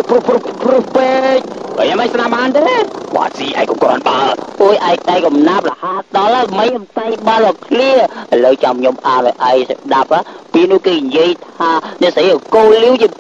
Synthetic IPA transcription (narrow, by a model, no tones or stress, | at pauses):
pupruprupeːc̚kə̰jʔamajsnamɓaːnt̪eːʋa̰ːsiːʔa̰ɛjkːomkrɔ̰nɓaːʔoːjʔaɛk̚t̪aɛkɑmnaːp̚lahaːt̪ɗɑlaməjʔəmsajɓanɔkʰliəʔələwt͡ɕamkʰɲomʔaːnɔjʔaɛksaɗap̚apiəʔnʊ̆əhkeːɲjiəjt̪ʰaːnɛ̆ʔsəjʔəkoːlːiəwt͡ɕiə